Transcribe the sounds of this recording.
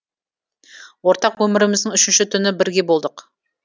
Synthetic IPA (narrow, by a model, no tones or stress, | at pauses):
wo̞ɾt̪ɑqwɵmɪɾɪmɪzd̪ɪŋʏʃɪnʃɪt̪ʰʏnɪbɪɾɡʲe̞bo̞lˠd̪əq